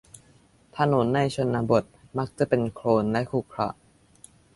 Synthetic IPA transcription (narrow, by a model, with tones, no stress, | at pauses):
t̪ʰa˧no˩˦nːa˧˩jt͡ɕʰo˧nːaː˧bo˨˩t̪̚ma˦˥k̚t͡ɕa˨˩pe˧nkʰɾoː˧nlɛ˦˥ʔkʰu˨˩kʰɾa̰˧ʔ